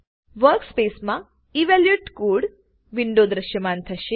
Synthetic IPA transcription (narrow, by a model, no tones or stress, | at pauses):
ʋəɾkspesmã | iʋɛljuʈkuɽ | ʋiɳɖod̪ɾəʃjəmant̪ʰəʃe